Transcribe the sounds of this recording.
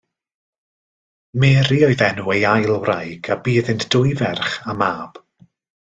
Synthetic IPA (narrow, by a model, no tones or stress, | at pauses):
mɛːɾiɔɨðɛnuejajlˠwrajɡabiːðɪntd̥ʊɨvɛrχamaːb̥